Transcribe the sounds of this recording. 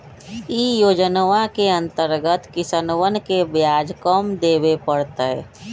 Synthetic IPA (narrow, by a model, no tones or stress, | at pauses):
iːjoːd͡ʒnʋakeə̃nt̪əɾɡət̪kɪsənwənkebjaːd͡ʒkəmd̪eːbepəɽt̪aɦɛ